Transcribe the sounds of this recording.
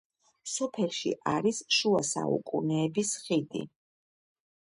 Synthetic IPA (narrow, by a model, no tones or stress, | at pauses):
sɔpʰɛlˠʃḭʔaɾisʃuasa̰ṵkʼṵnɛːbisχid̪ḭ